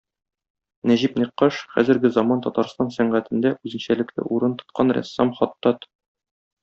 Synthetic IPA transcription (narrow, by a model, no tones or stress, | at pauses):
næʑipniqːɑʃχæ̰zɘ̆ɾɡɘzɒmɑnt̪ɒt̪ɑɾst̪ɑnsæɴɢæt̪ɘ̆nd̪æʉzɘ̆nɕælɘ̆klɘ̰ʔuɾɤnt̪ŏ̥t̪̚qɑnɾæ̰sːɑmχɒt̪ːɑt̪